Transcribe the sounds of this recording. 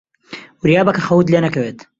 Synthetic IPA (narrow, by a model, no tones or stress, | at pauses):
wɾjaːbɐkɐχɐwt̪̬leːnɐkɐweːt̪